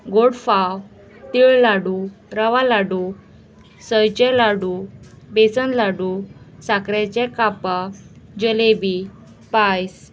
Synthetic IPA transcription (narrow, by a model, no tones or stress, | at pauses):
ɡoɽfaw | t̪iɭlaɽuɾəʋalaɽu | səjt͡ɕɛlaɽu | besənlaɽusakɾat͡ɕɛ̃kapa | d͡ʑəlebi | pajs